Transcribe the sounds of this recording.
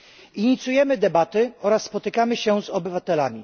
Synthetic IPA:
iɲit̪sujɛmɘd̪ɛbat̪ɘɔɾasːpɔt̪ɘkamɘɕɛzɔbɘvat̪ɛlamʲi

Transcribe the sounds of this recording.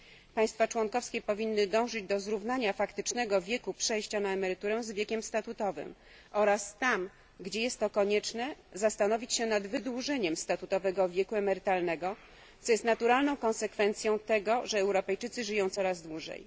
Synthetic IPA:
paj̃st̪fat͡ʂwɔŋkɔfskʲɛpɔvʲinːɘd̪ɔ̃w̃ʐɘd͡ʑd̪ɔzɾuvnaɲafakt̪ɘt͡ʂnɛɡɔvʲjɛkupʂɛjɕt͡ɕanaɛmɛɾɘt̪uɾɛw̃zvʲjɛkʲɛmst̪at̪ut̪ɔvɘ̰m | ʔɔɾast̪am | ɡd͡ʑejɛst̪ːɔkɔɲɛt͡ʂnɛzast̪anɔvʲit͡ɕɕɛnad̪vɘd̪wuʐɛɲɛmst̪at̪ut̪ɔvɛɡɔvʲjɛkuɛmɛɾɘt̪alnɛɡɔ | t̪sɔjɛst̪nat̪uɾalnɔ̃w̃kɔ̃nsɛkfɛnt̪sʲjɔ̃w̃t̪ɛɡɔʐɛɛwɾɔpɛjt͡ʂɘt̪sɘʐɘjɔ̃w̃t̪sɔɾazd̪wuʐɛ̰j

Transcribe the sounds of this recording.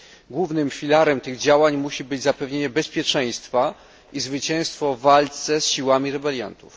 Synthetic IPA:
ɡwuvnɘmfʲilaɾɛmt̪ɘɣd͡ʑawaɲmuɕibɘd͡ʑzapɛvɲeɲɛbɛspʲjɛt͡ʂɛ̃j̃st̪fa | izvɘt͡ɕɛ̃w̃st̪fɔvalt̪sɛsɕiwamʲiɾɛbɛlʲja̰nt̪ṵf

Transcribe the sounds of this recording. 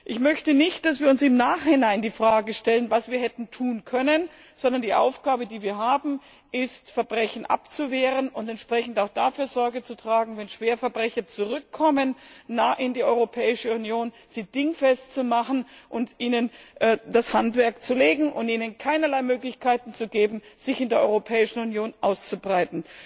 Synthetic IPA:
ʔɪçmœçtənɪçt̚d̥asv̥iːɐʊnsɪmnaːχhɪnaɪndiːfʁ̥aːɡəʃtɛlənvasv̥iːɐɦɛtn̩tʰuːnkʰœnən | z̥ɔndɐndiːʔa̰ʊfɡ̥aːbədiːviːɐɦaːbm̩ | ʔɪstfɛɐbʁɛçn̩ʔa̰pt͡suveːʁənʊntɛntʃpʁ̥ɛçn̩taʊxd̥afyːɐzɔɐɡət͡sutʁ̥aːɡŋ̩vɛnʃv̥eːɐfɛɐbʁɛçɐt͡suʁʏkʰːɔmənːaːʔɪndiːʔɔʏʁopʰɛːɪʃəunjoːn | z̥iːd̥ɪŋfɛstt͡sumaχn̩ʔʊntʔiːnənʔdashantv̥ɛɐk̚t͡suleːɡŋ̩ʔʊntiːnənkʰaɪnɐlaɪmøːklɪçkʰaɪtn̩t͡suɡeːbm̩z̥ɪçɪndeːɐʔɔ̰ʏʁopʰɛːɪʃn̩unjoːnʔaʊst͡subʁaɪtn̩

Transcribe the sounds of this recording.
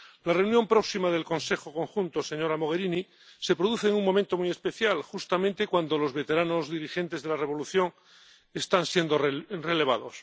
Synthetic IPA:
lareunjo̞mpɾo̞ksimaðe̞lko̞nse̞xo̞ko̞ŋxunt̪o̞se̞ɲo̞ɾamo̞ɣ̞e̞ɾini | se̞pɾoðuθe̞ːŋuŋmːo̞ment̪o̞muiespe̞θjalxust̪amẽnt̪ekwand̪o̞lo̞zβe̞t̪e̞ɾano̞zðiɾixe̞nt̪e̞zðe̞lareβ̞o̞luθjo̞ŋ | e̞st̪ansje̞nd̪o̞re̞le̞β̞aðo̞s

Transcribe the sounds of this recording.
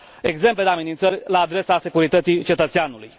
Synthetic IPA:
e̞ɡze̞mpled̪eamenint̪sərʲlaːd̪ɾe̞sase̞kuɾit̪ət̪sit͡ʃe̞t̪ət̪seanuluj

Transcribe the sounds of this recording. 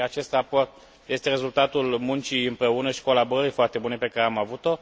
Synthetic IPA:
at͡ʃe̞st̪rapo̞rt̪̚ | je̞st̪e̞re̞zult̪at̪ulmunt͡ʃiɨmpɾe̞unəʃi̥ko̞laboɾəɾijfoart̪e̞bune̞pe̞kaɾeamavut̪o̞

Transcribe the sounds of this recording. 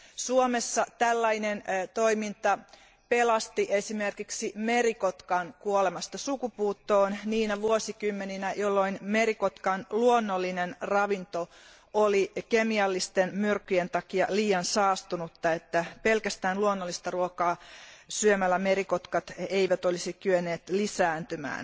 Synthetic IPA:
suomesːɑt̪ælːɑinent̪oimint̪ɑ | pelɑst̪iʔesimerkiksimeɾikot̪kɑnkuolemɑst̪ɑsukupuːt̪ːoːnniːnæʋuosikymːeninæjolːoinmeɾikot̪kɑnluonːolːinenrɑʋint̪o | olikemiɑlːist̪enmyrkːyjent̪ɑkiɑ̰liːjɑnsɑːst̪unut̪ːɑet̪ːæpelkæst̪æːnluonːolːist̪ɑruokɑːsyømælːæmeɾikot̪kɑt̪eiʋæt̪olisikyønːˑeːt̪lisæːnt̪ymæ̰ːn

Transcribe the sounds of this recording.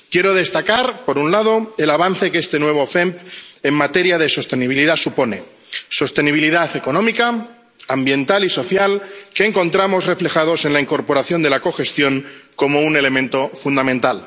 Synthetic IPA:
kje̞ɾo̞ð̞e̞st̪akaɾpoɾunlað̞o̞elaβ̞anθe̞keest̪e̞nwe̞β̞o̞fempe̞mmat̪e̞ɾjað̞e̞so̞st̪e̞niβ̞iliðasupo̞ne̞ | so̞st̪e̞niβ̞iliðaθe̞ko̞nõ̞mika | ambje̞nt̪aliso̞θjalke̞ːŋko̞nt̪ɾamo̞zre̞fle̞xað̞ose̞nlaiŋko̞ɾpo̞ɾaθjo̞nd̪elako̞xe̞st̪jo̞ŋko̞mo̞une̞le̞mẽnt̪o̞fund̪amẽ̞nt̪al

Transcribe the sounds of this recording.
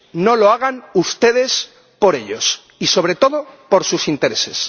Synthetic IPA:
no̞loaɣ̞anust̪e̞ðe̞s | po̞ɾe̞ʎo̞s | iso̞β̞ɾe̞t̪o̞ðopo̞ɾsusint̪e̞ɾe̞se̞̰s

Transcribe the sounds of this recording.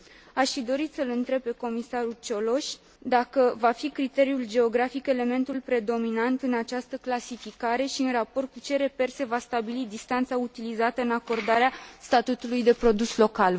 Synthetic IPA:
aʃfid̪o̞ɾit̪səlɨnt̪ɾe̞b̚pe̞ko̞misaɾult͡ʃo̞lo̞ʃʲ | d̪akəvafikɾit̪e̞ɾiuld͡ʒe̞o̞ɡɾafike̞le̞me̞nt̪ulpɾe̞d̪o̞minant̪ɨnat͡ʃast̪əklasifikaɾe̞ʃiɨnrapo̞rt̪̚kut͡ʃe̞ɾe̞pe̞rse̞vast̪abilid̪ist̪ant̪saut̪ilizat̪əɨnako̞rd̪aɾeast̪at̪ut̪ulujd̪e̞pɾo̞d̪uslo̞kal

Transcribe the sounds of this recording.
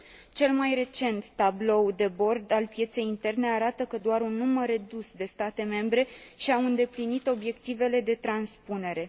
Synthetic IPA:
t͡ʃe̞lmajre̞t͡ʃe̞nt̪ːablo̞wd̪e̞bo̞rd̪alpje̞t̪se̞jint̪e̞rne̞aɾat̪əkəd̪oaɾunːuməre̞d̪usd̪e̞st̪at̪e̞me̞mbɾe̞ʃiawɨnd̪e̞plinit̪o̞bje̞kt̪ive̞le̞d̪e̞t̪ɾanspune̞ɾe̞

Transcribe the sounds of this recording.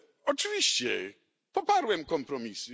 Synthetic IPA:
ɔt͡ʂɘvʲiɕt͡ɕɛ̰ | pɔpaɾwɛmkɔmpɾɔmʲisɨ

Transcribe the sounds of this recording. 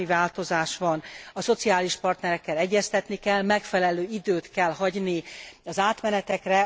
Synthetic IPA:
ivaːlt̪o̞zaːʃʋɒnɒso̞t̪siaːliʃpɒrt̪nɛɾɛkːɛlɛɟːɛst̪ɛt̪nikɛlmɛkfɛlɛløːid̪øːt̪kɛlɦɒɟniɒzaːt̪mɛnɛt̪ɛkrɛ

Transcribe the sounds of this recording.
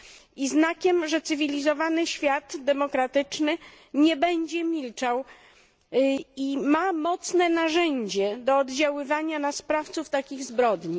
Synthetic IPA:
iznakʲɛmʐɛt̪sɘvʲilʲizɔvanɘɕfʲjad̪d̪ɛmɔkɾat̪ɘt͡ʂnɘ | ɲɛbɛɲd͡ʑɛmʲilt͡ʂaw | imamɔt̪snɛnaʐɛɲd͡ʑɛd̪ɔːd̪d͡ʑawɘvaɲanaspɾaft̪suft̪akʲiɣzbɾɔd̪ɲi

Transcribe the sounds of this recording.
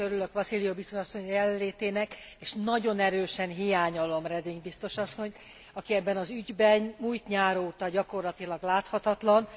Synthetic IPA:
øɾylø̞kʋɒsilijobist̪o̞ʃɒsːo̞ɲjɛlɛlːeːt̪eːnɛkeːʃnɒɟo̞nɛɾøːʃɛnɦijaːɲolo̞mrɛd̪iŋɡbist̪o̞ʃɒsːo̞ɲ | ɒkiɛbːɛnɒzyɟbɛnmuːjt̪ɲaːɾoːt̪ɒɟɒko̞rlɒt̪ilɒɡlaːt̪hɒt̪ɒt̪lɒn

